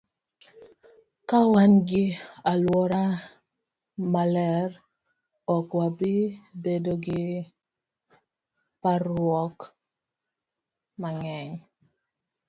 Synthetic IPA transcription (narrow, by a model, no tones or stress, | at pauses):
kawanɡɪalwɔɾa | malɛɾ | ɔkwabibedoɡɪ | paɾwɔk | maŋɛɲ